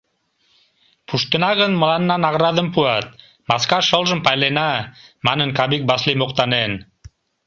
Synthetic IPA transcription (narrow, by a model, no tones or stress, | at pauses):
pʰuʃt̪ə̆nɑʁənmə̆lɑnːɑnɑʁɾɑd̪ə̆mpuɑt̪̚ | mɑskɑʃolˠʒə̆mpɑjlenamɑnə̆nkabik̚bɑslimoqt̪ɑnen